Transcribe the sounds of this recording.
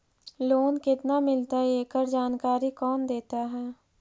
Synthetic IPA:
loːnkɪt̪namɪlt̪aeːkəɾd͡ʒaːnkaːɾikɔːnd̪eːt̪aɦɛː

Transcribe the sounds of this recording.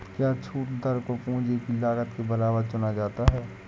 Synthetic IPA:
kjaːt͡ʃʰuːʈd̪əɾkopõːd͡ʒekilaːɡət̪kebɐlaːʋəɾt͡ʃʊnad͡ʒaːt̪aɦɛː

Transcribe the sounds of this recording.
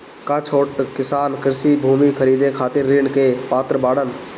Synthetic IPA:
kat͡ʃʰoːʈkɪsaːnkɪɾsibʱuːmikʰəɾiːd̪ekʰaːt̪ɪɾːɪɳkepaːt̪ɾəbaːɽən

